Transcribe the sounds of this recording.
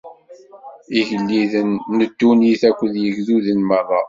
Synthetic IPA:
iʝəlːiðənːəd̪ːuniθækʷːəðjəʝðuðənmərˤːɑ

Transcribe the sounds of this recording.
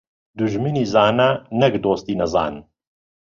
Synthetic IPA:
d̪uʒminiːzaːnɐnɛkd̪oːst̪iːnɐza̰ːn

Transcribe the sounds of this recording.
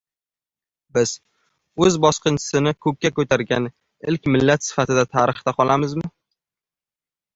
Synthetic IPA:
bɪz̥ | ɵzbɒsqɨnt͡ʃʰɪ̥sɪnɪkʰɵk̚ʲːakɵt̪ʰaɾɡʲan | ɪlkʲmɪlːat̪sɪ̥fat̪ɪd̪at̪ʰaɾɨχt̪aqʰɒlˠamɪzmɪ

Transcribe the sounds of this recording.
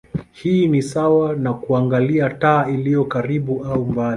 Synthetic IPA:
hiːnisawanakuaŋɡaliataːilijɔkaɾiɓuaumbali

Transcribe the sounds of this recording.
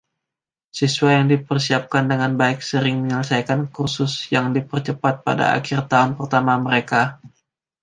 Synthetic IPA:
sisuajaŋdipərsiap̚kandəŋanbaɪk̚səɾɪŋməɲələsajkankursʊsjaŋdipərt͡ʃəpat̪̚pa̰da̰a̰kɪrt̪aʊnpərt̪amaməɾeka

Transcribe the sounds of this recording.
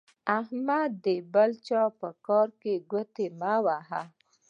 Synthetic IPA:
ahmad̪d̪əbalt͡ʃɑpəkɑɾkeɡət̪emawaɦa

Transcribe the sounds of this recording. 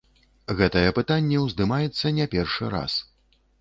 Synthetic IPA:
ɣɛt̪ɐjɛpɨt̪anʲːɛwzd̪ɨmajɛt̪sːɐnʲɛpʲɛrʂɨɾa̰s

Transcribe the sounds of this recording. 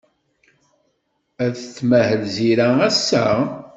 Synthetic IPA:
æðt͡sːmæhəlziɾææsːæ̰

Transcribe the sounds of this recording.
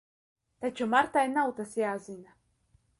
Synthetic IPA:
t̪at͡ʃumaɾt̪ajnawt̪asjaːzina

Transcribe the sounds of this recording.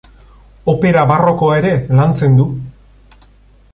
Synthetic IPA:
o̞pe̞ɾaβaro̞ko̞aeɾe̞lant͡se̞nd̪u

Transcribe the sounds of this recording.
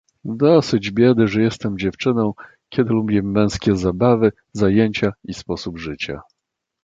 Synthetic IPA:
d̪ɔsɘd͡ʑbʲjɛd̪ɘʐɛjɛst̪ɛmd͡ʑɛft͡ʂɘnɔ̃w̃ | kʲɛd̪ɘlubʲɛmːɛ̃skʲɛzabavɘ | zajeɲt͡ɕaispɔsubʐɘt͡ɕa̰

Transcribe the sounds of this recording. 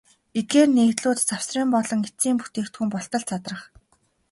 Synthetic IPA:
et̪̚ɡeːrneːkt̪ɮʊːt̪t͡saw̥sriːmpɔɮɞ̆ŋit͡siːmpu̥t̪eːkt̪xumpɔɬt̪ə̆ɮt͡sʰat̪rə̆χ

